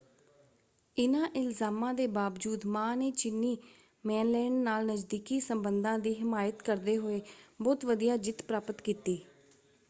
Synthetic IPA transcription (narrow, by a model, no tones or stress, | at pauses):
ɪnãːʔɪlzaːmãːd̪eːbaːʋd͡ʒuːd̪mãːneːt͡ʃɪnːiː | mɛːnlɛːnnaːlnəd͡ʒd̪iːkiːsəmbənd̪ãːd̪iːɦɪmaːjət̪kəɾd̪eːɦoːeːbɔːt̪ʋəd̪ijaːd͡ʒɪt̪pɾaːpət̪kiːt̪iː